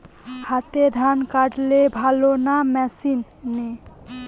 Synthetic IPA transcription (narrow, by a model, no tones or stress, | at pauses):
hat̪ed̪ʱankaɖlebʱalonamɛsinːe